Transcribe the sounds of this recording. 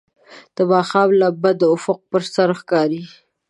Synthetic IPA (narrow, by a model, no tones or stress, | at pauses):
d̪̥əbɑxɑblabad̪əʊfʊq̚pəɾsaɾxkɑɾi